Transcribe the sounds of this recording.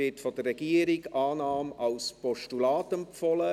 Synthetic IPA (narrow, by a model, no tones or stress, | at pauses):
ɪtfɔd̥ərːɛɡ̥iəɾɪɡʔɑːnɑːmɑlspɔʃtulɑːtɛmpfɔlə